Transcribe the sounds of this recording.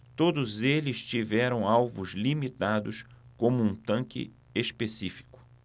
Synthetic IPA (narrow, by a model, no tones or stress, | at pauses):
t̪od̪ʊzelɪst͡ʃivɛɾɐ̃w̃awvʊzlimit̪ad̪ʊskõmʊũt̪ɐ̃ŋkɪ̰ | espesifi̥kʊ̥